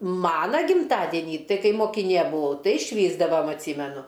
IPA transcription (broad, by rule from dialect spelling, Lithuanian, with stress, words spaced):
ˈmɑːnɐ ɡʲɪmˈtɑːdʲɪnʲiː ˈtɐɪ ˈkɐɪp moːkʲɪˈnʲeː bʊˈʋɐʊ ˈtɐɪ ʃʲʋʲiːzdɐʋɐm ɐtʲˈsʲiːmʲɛnʊ